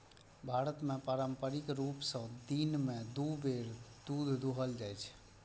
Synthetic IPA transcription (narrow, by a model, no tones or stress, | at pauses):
bʱaɾət̪mepaɾəmpəɾikɾupsə̃d̪inmed̪ubeɾd̪̥ud̪ʱd̪uɦəld͡ʒajt͡ʃʰɛ̥